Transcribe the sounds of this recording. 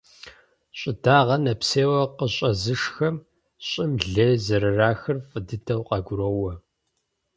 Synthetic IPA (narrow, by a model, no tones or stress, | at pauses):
ɕʼɪdaːʁɐnɐpseːwɐqəɕʼɐzɨʂxɐm | ɕʼɪmɮezɐɾɨraːxɨrfʼɨdɨtʰɐwqɑɡʷʊɾowɐ